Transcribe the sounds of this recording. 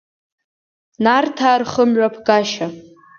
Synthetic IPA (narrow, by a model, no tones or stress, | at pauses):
nartʰaːrχəmɥʷapʰɡaʃa